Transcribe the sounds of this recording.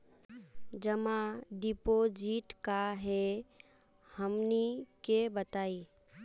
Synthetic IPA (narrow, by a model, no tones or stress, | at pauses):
d͡ʒəmãɖipod͡ʒiʈkaɦɛ | həmnikebət̪aːi